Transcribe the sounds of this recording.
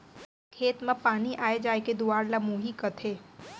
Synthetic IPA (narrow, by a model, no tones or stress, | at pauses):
kʰeːt̪mẽpaːniʔaːed͡ʒaːeked̪uaːɾlamũːɦikət̪ʰeː